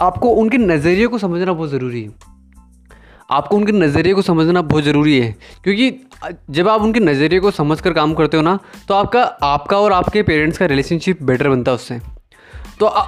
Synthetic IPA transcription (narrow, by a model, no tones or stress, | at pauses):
aːp̚koʊnkenɐzəɾijekosɐməd͡ʒʱnabɔːt̪zɐɾuːɾiɦɛ | a̰ːp̚koʊnkenɐzəɾijekosɐməd͡ʒʱnabɔːt̪zɐɾuːɾiɦɛːkjõːki | d͡ʒɐbaːpʊnkenɐzəɾijekosɐməd͡ʒʱkɐɾkaːmkɐɾt̪eɦoːnat̪oaːp̚kaaːpkaɔːɾaːpkepeːɾẽɳʈskaɾɪleːʃə̃nʃɪp̚bɛːʈəɾbɐ̃nt̪aɦʊsːeː | t̪oʔ